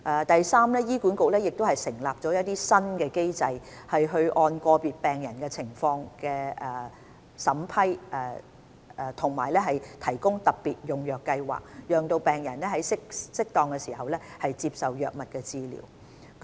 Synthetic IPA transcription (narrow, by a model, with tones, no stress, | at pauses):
ʔɛː˧t̪ɐ˨jsaː˥mlɛː˥jiː˥kuː˨˥nkʊ˨k̚lɛː˥jɪ˨k̚t̪o˥hɐ˨jsɪ˨˩ŋlaː˨p̚t͡ʃɔː˨˥jɐ˥t̚t̪iː˥sɐ˥nkɛ˧ke˥jt͡sɐ˧jhɐ˨jɦɵ˧ɥʔɔː˧nkɔː˧piː˨t̚pɛː˨ŋjɐ˨˩nkɛ˧t͡sʰɪ˨˩ŋfɔː˧ŋkɛː˧˨˩ | sɐ˨˥mpʰɐ˥jʔɛ˧˨˧ | t̪ʰʊ˨˩ŋmaː˨˩jlɛː˥ɦɐ˨jt̪ʰɐ˨˩jkʊ˥ŋt̪ɐ˨p̚piː˨t̚jʊ˨ŋjœː˨kːɐ˧jwa̰ː˨k̚jœː˨ŋt̪o˧wpɛː˨ŋjɐ˨˩nlɛ˥ɦɐ˨˥jsɪ˥ksɪ˥k̚t̪ɔː˧ŋkɛ˧siː˨˩ɦɐ˨wlɛː˥hɐ˨jt͡siː˧p̚sɐ˨wjœː˨k̚mɐ˨t̚kɛː˧t͡siː˧lḭː˨˩w